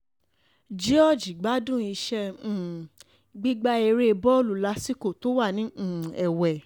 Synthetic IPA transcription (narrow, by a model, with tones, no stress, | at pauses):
d͡ʒi˦ɔ˦˨d͡ʒi˨ɡ͡ba˨˦dũ˦˨i˧ʃɛ̃˧˦˨ | ɡ͡bi˦ɡ͡ba˦e˧ɾe˦˧bɔ˦lu˨la˨˧si˦ko˦˨to˨˦wa˦˨nĩ˨˦˨ɛ˨wɛ˨